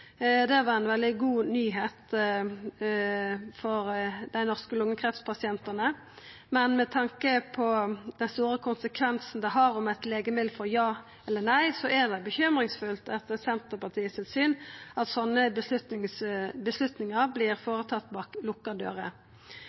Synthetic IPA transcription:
d̪ɛʋɑʁæɪnʋɛld̪ɪɡuːnyːɦeːt̪ | fɔɾd̪æɪnɔʁskəlʊŋːəkʰɾɛft̪spʰɑsɪɛnt̪ənə | mɛnmɛt̪ʰɑŋkəpʰɔd̪ɛnst̪uːɾəkʰʊnsəkʰʋɛnsn̩d̪ɛɦɑɾɔmæt̪leːɡəmɪlfɔɾjɑː | ɛlːənæɪsɔʔɛd̪ɛbəçʏmɾɪŋsfʉlt̪ɛt̪ːəsɛnt̪əpɑt̪ʰiːət̪ʰɪlsyːnɑt̪sɔnːəbəslʉt̪nɪŋsbəslʉt̪nɪŋəɾbliːʁfoːʁət̪ʰɑt̪ːbɑːklʊkːɑd̪ø̰ːʁə

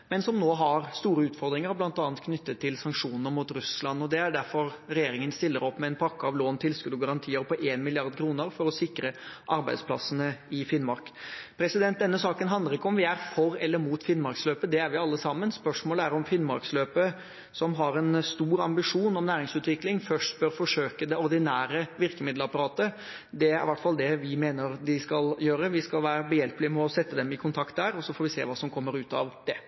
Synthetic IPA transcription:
mɛnsɔmnoːɦɑɾst̪uːɾəʉːt̪fɔɾd̪ɾɪŋəɾhɔblɑnt̪ɑːnt̪kʰnʏt̪ːət̪ʰːɪlsɑŋkʂuːnnəɾmuːt̪ɾʉslɑnːɔd̪ɛæɖæɾfɔɾɾɛjeːɾɪŋənst̪ɪlːəɾɔpːmɛɛnpʰɑkːəɑʋloːnt̪ʰɪlskʉd̪ʉɡɑɾɑnt̪ʰiːəɾpʰɔʔeːnmɪlɪɑɾd̪kʰɾuːnəɾfɔɾɔsɪkɾəʔɑɾbæɪd̪spʰlɑ̰sːənəɪfɪnːmɑɾkpʰɾɛsɪd̪ɛnt̪̚d̪ɛnːəsɑːkənɦɑnd̪əɾɪkːəɔmʋɪæɾfɔɾɛlːəɾmuːt̪fɪnmɑɾksløːpəd̪ɛæɾʋɪɑlːəsɑmːənspœʂmoːləæɾɔmfɪnːmɑɾksløːpə | sɔmɦɑɾɛnst̪uːɾɑmbɪʂuːnɔmnæːɾɪŋsʉːt̪ʋɪklɪŋfœʂʈbœɾfɔʂøːkəd̪ɛɔɾd̪ɪnæːɾəʋɪɾkəmɪd̪lɑpɑɾɑːt̪ə | d̪ɛæɾɪʋæʈːfɑld̪ɛʋɪmeːnəɾd̪ɪskɑljøːɾəʋɪskɑlʋæːɾəbəjɛlpəlɪmɛɔsɛt̪ːəd̪ɛmɪkʰʊnt̪ʰɑkt̪̚d̪æːɾɔsɔfoːɾʋɪsḛːʋɑːsɔmkʰɔmːəɾʉːt̪ɑ̰ʋd̪̥ɛ

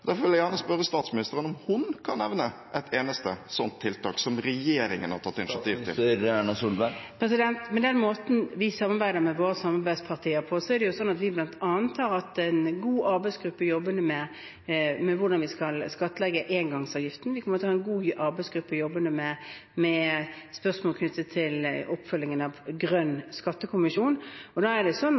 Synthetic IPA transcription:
d̪æfɔɾʋɪljæjæʁnəspœɾːəst̪ɑːt̪smɪnɪst̪əɾənɔmhʊnkʰɑnːɛʋnəʔɛt̪ʰeːnəst̪əsɔnt̪ʰːɪlt̪ʰɑ̰ːksɔmɾɛjeːɾɪŋə̰nhɑɾt̪ʰɑt̪ːɪnɪʃɑt̪ʰiːʋt̪ʰɪ̰læɳɑsuːlbæpʰɾɛsɪd̪ɛnt̪mɛd̪ɛnmoːt̪n̩ʋɪsɑmɑɾʁbæɪd̪əɾmɛʋoːɾəsɑmɑɾbæɪspʰɑʁt̪ʰiːəɾpʰɔsɔɛɾd̪ɛjʊsɔnːɑt̪ʋɪblɑnt̪ʰɑːnt̪ʰːɑːɾɑt̪ɛɪnɡuːʔɑɾbæɪsɡ̥ɾʉpːəjɔbːənd̪əmɛ | mɛʋʊʁɖɑnʋɪskɑlskɑt̪ːəlɛɡːəʔeːnɡɑŋsɑːʋjɪft̪n̩ʋɪkʰɔmːəɾt̪ʰːhɑːɛnɡuːʔɑɾbæɪsɡɾʉpːəjɔbːənd̪əmɛmɛspœʁsmoːlkʰnʏt̪ːət̪ʰːɪlɔpfœlːɪŋənɑʋɡʁœnskɑt̪ːəkʰʊmɪʂuːnɔd̪ɑːæd̪ɛsɔn

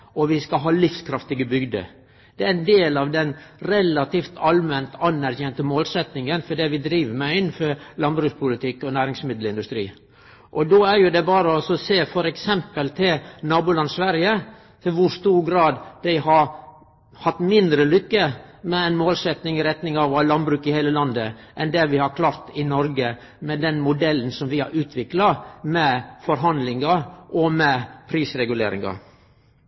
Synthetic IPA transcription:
ɔʋɪskɑɦɑːlɪfskʰɾɑft̪ɪɡəbʏɡd̪ə̰ | d̪̥ɛæɾɪnd̪eːlɑʋd̪ɛnɾɛlɑt̪ift̪ʰɑlmɛnt̪ɑnːæɾçɛnt̪əmoːlsɛt̪nɪŋənfɔɖɛʋɪd̪ɾiːʋəmæɪɪnːfɔɾlɑnbɾʉːspʰʊlɪt̪ʰɪkːɔnæːɾɪŋsmɪd̪l̩ɪnd̪ʉst̪ɾḭː | ʔɔd̪oːæɾjʊd̪ɛbɑːɾəɔsɔseːfɔɾɛksɛmpəlt̪ʰɪlnɑːbʊlɑnsʋæɾjə | t̪ʰɪlʋʊɾʂt̪uːɾɡɾɑːd̪d̪æɪɦɑɾ | hɑt̪ːmɪnd̪ɾəlʏkːəmɛæɪnmoːlsɛt̪nɪŋɪɾɛt̪nɪŋɑʋɑlɑnbɾʉːkɪheːləlɑnd̪ə | ʔɛnd̪ɛʋɪhɑɾkʰlɑːɾt̪ɪnɔɾɡə | mɛd̪ɛnmʊd̪ɛlːn̩sɔmʋɪhɑ̰ɾʉːt̪ʰʋɪklɑmɛfɔɾɦɑnd̪lɪŋɑʔɔmɛpʰɾiːsɾɛɡʉlḛːɾɪ̰ŋɑ̰

